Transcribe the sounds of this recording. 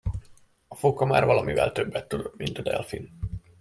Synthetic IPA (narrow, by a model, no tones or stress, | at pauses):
ɒfokɒma̰ːrvɒlɒmivɛ̰lt̪øbːɛt̪ːud̪omint̪ɒd̪ɛ̰lfḭn